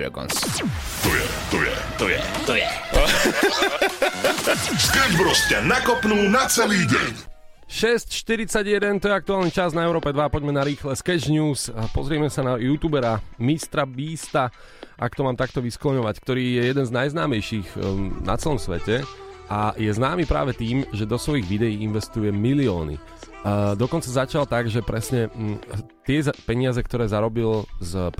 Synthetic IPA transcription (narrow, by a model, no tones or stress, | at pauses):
ɛ̰ɡɔ̰ns | t̪ɔjɛ̰ | t̪ɔjɛ̰t̪ɔjɛ̰t̪ɔjɛ̰ | skɛd͡ʒbɾɔscanakɔpnuːnat͡sɛliːɟɛ̰ɲ | ʃɛscʃt̪iɾit͡saɟɪjɛd̪ɛnt̪ɔjɛak̚t̪uaːlnit͡ʃaznaɛʊɾɔːpɛd̪ʋapɔɟmɛnaɾiːxlɛskɛd͡ʒɲuːspɔ̰zɾɪɛmɛsanajuːt̪uːbɛɾamist̪ɾabiːst̪a | ʔa̰kt̪ɔmaːmt̪ak̚t̪ɔʋisklɔɲɔʋack̚t̪ɔɾiːjɛjɛd̪ɛnznajznaːmɛjʃiːɣna̰t͡sɛlɔmsʋɛcɛajɛznaːmipɾa̰ːʋɛt̪iːmʒɛd̪ɔsʋɔjiɣʋid̪ɛjiːinʋɛst̪ujɛmiliɔːnḭ | d̪ɔkɔnt͡sazat͡ʃalt̪aɡʒɛpɾɛsɲɛ | t̪ɪɛzpɛɲɪazɛkt̪ɔɾɛːzaɾɔbilzp